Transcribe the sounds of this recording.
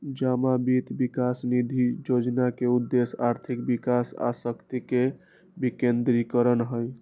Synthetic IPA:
d͡ʒamabit̪bikasnid̪ʱid͡ʒod͡ʒnakeud̪ːesa̰ɾt̪ʰikbikasa̰səkt̪ike | bikend̪ɾikəɾənɦəj

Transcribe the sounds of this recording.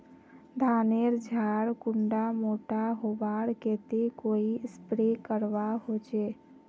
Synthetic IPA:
d̪ʱaneɾd͡ʒʱaɾkuɳɖamoʈaɦobaɽket̪ekoispɾekəɾʋaɦot͡ʃe

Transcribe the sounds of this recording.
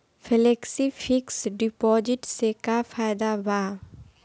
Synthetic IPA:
fʰɪleksifʰɪksɖɪpɔːd͡ʒɪʈsekafaːɪd̪abaː

